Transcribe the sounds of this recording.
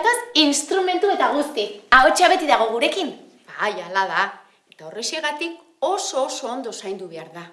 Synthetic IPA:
t̪asinst̪ɾume̞nt̪ue̞t̪aɣ̞ust̪iao̞t͡ʃaβe̞t̪iðaɣ̞o̞ɣ̞uɾe̞kin | b̥ajalaða | e̞t̪ao̞resieɣat̪ik | o̞soːso̞ːnd̪o̞sajnd̪uβe̞aɾða

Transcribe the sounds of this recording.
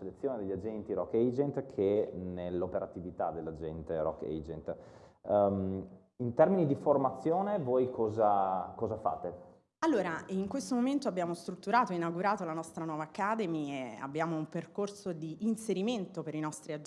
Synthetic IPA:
elet̪sːjoːned̪eʎːad͡ʒɛnt̪iɾɔkːɛjd͡ʒɛnt̪kʰenelːopeɾat̪ivit̪ad̪ːelːad͡ʒɛnt̪eɾɔ̰kːɛ̰d͡ʒḛnt̪ | m | int̪ɛrminid̪iformat̪sːjoːnevojkʰɔːzakɔːzafa̰ːt̪e | alːoːɾaiŋkwest̪omoment̪oabjaːmost̪ɾut̪ːuɾaːt̪oinaɡuɾaːt̪olanɔst̪ɾanwɔːvaːkːaːd̪emiea̰bːjaːmoumperkorsod̪iʔːnseɾiment̪opeɾinɔst̪ɾiad͡ʒ

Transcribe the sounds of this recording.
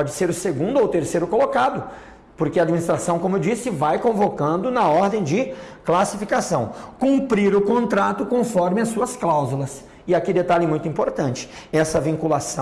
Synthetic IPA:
pɔd͡ʒɪseɾʊseɡũnd̪ʊowt̪eɾsejɾʊkolokad̪ʊ | poɾkɪɐad͡ʒminist̪ɾasɐ̃w̃kõmʊewd͡ʒisɪvajkõvokɐ̃nd̪ʊnɐɔɾd̪ẽj̃d͡ʒɪklasifikasɐ̃w̃kũmpɾiɾʊkõnt̪ɾat̪ʊkõfɔɾmɪɐsːuɐsklawzulɐs | ɪakid̪et̪alɪmũj̃t̪uĩmpoɾt̪ɐ̃nt͡ʃɪ̥ɛsɐvĩŋkulasɐ̃

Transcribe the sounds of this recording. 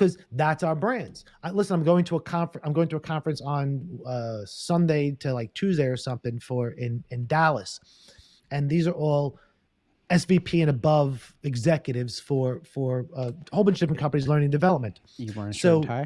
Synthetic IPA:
ʌzðætsaʊə˞bɹæ̃ndz̥ | aɪlɪsə̃nãɪ̃mɡoʊɪ̃ŋtʰəəkʰɑ̃ɱfɹãɪ̃mɡoʊɪ̃ŋtʰɨəkʰɑ̃ɱfɹɨ̃nsn̩ʌsʌ̃ndeɪɾɨlaɪk̚tʰʉzdeɪə˞sʌ̃mθɪ̃ŋfə˞ɪ̃nɪ̃ndælˠəs | ɨ̃nðizə˞ʔɔlˠ | ɛsv̥ipʰiɨ̃nɨbʌvɨɡzɛkjɨɾɪvz̥fə˞fə˞ʌhoʊbə̃nʃd̥ɪfɹə̃nkʰʌ̃mpɨnizlɜ̃˞nɪ̃ŋdɨvɛlˠəp̚mɨ̃nt | soʊ

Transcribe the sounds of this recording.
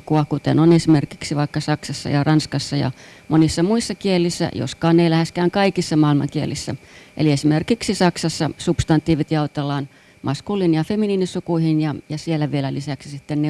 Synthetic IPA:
kːuɑkut̪ḛnonesimerki̥ksiʋɑikːɑsɑksɑsːɑ̰jɑrɑnskɑsːɑjɑ̰mʔonisːɑmuisːɑkielːˑisːæ̰jo̰skɑːnːeilæhæskæːŋkɑikisːɑmɑilmɑ̰ŋkiḛlːˑisːæ̰ʔḛliesimerkiksisɑksɑsːɑsupst̪ɑnt̪ːˑiːʋit̪jɑut̪elːˑɑːn | mʔɑskulːinjɑfeminiːnisukuihinjɑjɑsielːæʋielælisæksisit̪ːenne

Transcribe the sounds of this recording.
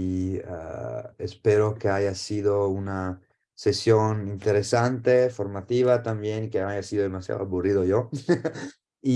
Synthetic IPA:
espeɾokeajasiðouna | sesjonint̪eɾesant̪efoɾmat̪ivat̪ambjenikeajasidod̪emasja̰do̰aburiðojo | i

